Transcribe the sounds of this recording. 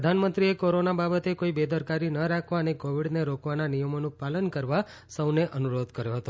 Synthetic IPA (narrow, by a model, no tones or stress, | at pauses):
əd̪ʱanmənt̪ɾiekoɾonababət̪ekoibed̪əɾkaɾinəɾakʰʋaənekoʋiɽneɾokʋananijəmonũpalənkəɾʋa | səwneʔənuɾod̪ʱkəɾjoɦət̪o